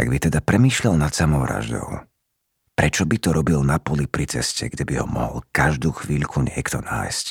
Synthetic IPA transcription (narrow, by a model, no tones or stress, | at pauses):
a̰ɡbit̪ɛd̪apɾɛmiːʃʎalnat̪samɔʊɾa̰ʒd̪ɔ̰ʊ | pɾɛt͡ʃɔbit̪ɔɾɔbilnapɔlipɾit͡sɛscɛɡɟɛbiɦɔ̰mɔɦɔlkaʒd̪uːxʋiːʎkʰuɲɪɛkt̪ɔna̰ːjsc